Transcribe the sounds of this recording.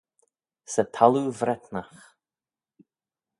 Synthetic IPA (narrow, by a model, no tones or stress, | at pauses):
sət̪ʰaluvɾɛt̪nax